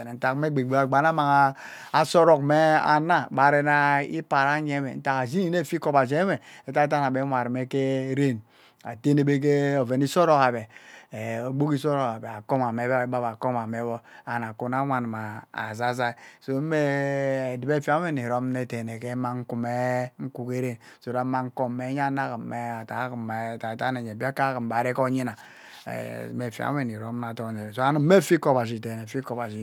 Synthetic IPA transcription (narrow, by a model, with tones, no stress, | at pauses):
ne˨n̩˨ta˨kme˦ɡ͡be˨ɡ͡be˦a˨ɡ͡ba˨na˦ma˨ŋa˦ | a˨so˦ɾo˨kme˦a̰˨na˦ba˨˦ɾe˦na˦ḭ˦pa˨ɾa˦ɲe˦mḛ˨n̩˦ta˨ka˨zi˦ni˦ne˦˨fi˦ko˦ba˨d͡ʒe˦me˨e˨˦ta˦ta˦n˨a˨be˦mʷa˨ɾme˦ke˦ɾe˦˨n | a̰˨te˦ne˨be˦k̬e˦o˨ve˨ni˦so˦ɾo˦ka˨be˨ | o˨ɡ͡bo˦ki˦s̬o˦ɾo˨ka˨be˨a˨ko˦ma˨me˨˦bi˦ba˦ba˨ko˦ma˨me˦bo˦a˨na˨ku˨na˦wa˨n˨ma˨a̰˨za˦za˦˨so˦me˦˨di˨be˦fi˦a˦e˦ni˨ɾo˦mne˨te˨ne˨ke˦ma˦ŋ̩˦ku˨me˦ŋ̩˦ku˦ke˦ɾe˦˨n | so˨ɾa˨˦ma˦ŋ˦ko˦me˨˦ɲ˦a˦na˦kmme˦a˨ta˨˦km˨ta˨˦ta˦ne˨ɲ˨e˨bi˦a˦ka˦ki˨mba˨ɾe˦ko˦ɲi˦na̰˨˦ | me˨fa̰˦e˨ni˨ɾo˦mna˨to˦˨ne˨so˦a˦nu˨˦me˦˨fi˦ko˦ba˨ʃ̬i˨te˨ne˨fi˦ko˦ba˨ʃi˨